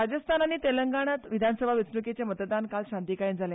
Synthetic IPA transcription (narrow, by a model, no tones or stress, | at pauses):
ad͡zəst̪ʰanaɽ̃it̪eləŋɡaɽ̃at̪ʋid̪ʱansəbʱaʋit͡snəket͡ɕemət̪d̪ankalɕant̪ikaind͡zʱale